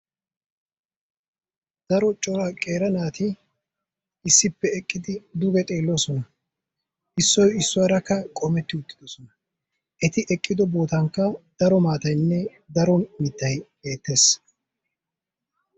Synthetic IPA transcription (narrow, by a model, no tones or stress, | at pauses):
d̪̥ɐɾɔt͡ʃʼɔɾɐkʼe̞ːɾɐnaːt̪ɪ | ɪsːɪpːɛɛkʼːɪd̪ɪd̪ʊbɛt̪ʼe̞ːlːɔsɔnɐ | ʔɪsːɔjɪsːʊwɐɾɐkːɐkʼɔmɛt̪ːɪʊt̪ʼːɪd̪ɔsɔnɐ | ʔɛt̪ɪʔɛkʼːɪd̪ɔbo̞ːt̪ɐŋkːɐd̪̥ɐɾɔmaːt̪ɐjnːɛ | d̪ɐɾɔnmɪt̪ːɐj | eːt̪ːeːs